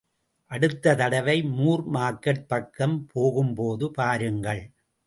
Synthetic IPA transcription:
ʔɐɽɯt̪ːɐt̪ɐɽɐʋɐɪmuːrmaːkːɐʈ̚pɐkːɐmpʰoːɣɯmpoːðɯpaːɾɯŋɡɐɭ

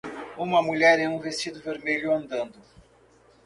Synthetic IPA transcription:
ũmɐmuʎɛɾɛ̃ũvest͡ʃid̪ʊveɾmeʎʊɐ̃nd̪ɐ̃nd̪ʊ

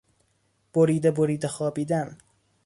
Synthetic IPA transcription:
b̥oɾiːd̪eboɾiːd̪exɒːbiːd̪æn

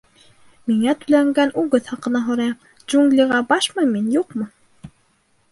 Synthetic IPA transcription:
miŋæt̪ɵ̥̆læŋɡænʔʉɡɘθhɑqɤ̆nɑɦŏɾɑjɑm | dd͡ʒuŋɡlʲiʁɑbɑʃmɤjminjuqmɤ

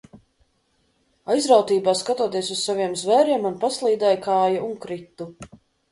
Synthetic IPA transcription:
ajzɾawt̪iːbaːskat̪uɔt̪iɛsussaviɛmzvɛːɾiɛmunpaslˠiːd̪ɛjkaːjauŋkɾit̪ːu

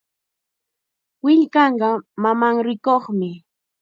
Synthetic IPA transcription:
wɪʎkɑɴɢɑmamaŋɾɪkoχmɪ

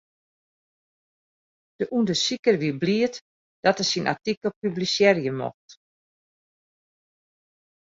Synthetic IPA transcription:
d̥əʔundəsikərʋibliət | d̥ɔtəsinʔa̰tikəl̩ˠpyblisjɛrjəmɔ̰xt

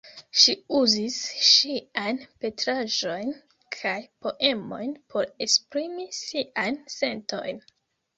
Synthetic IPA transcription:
ʃiuzisʃiajnpe̞tɾaʒo̞jn | kʰajpo̞ʔe̞mo̞̰jnpʰo̞ɾe̞spɾimisiʔajnse̞nto̞jn

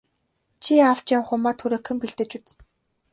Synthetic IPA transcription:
t͡ɕʰiaw̥t͡ɕjaw̆χʊmaːt̪ʰxuɾŏːkʰɵ̆mpiɮt̪ɘ̆t͡ɕut͡s̆

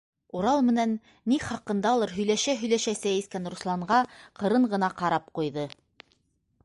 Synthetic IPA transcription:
uɾɑlˠmɘ̆nænː | iχɑqɤ̆nd̪ɑulˠɤɾɦɵ̆jlæʃæɦɵ̆jlæʃæsæiskænɾuslˠɑɴɢɑqɤ̆ɾɤɴɢɤ̆nɑqɑɾɑp̚qujðɤ

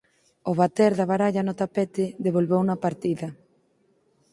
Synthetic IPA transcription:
ʊβat̪ɛɾðaβaɾaʎɐnʊt̪apet̪ɪðeβ̞olβewnɐpaɾt̪iðɐ

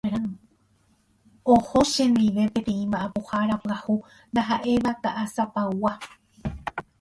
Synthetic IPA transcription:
ɾa | ohoʃẽ̞nd̪iʋe̞pẽt̪ẽ̞ĩmãʔãpohaɾapɨahu | nd̪aɦaʔe̞ʋat̪aʔasapaa

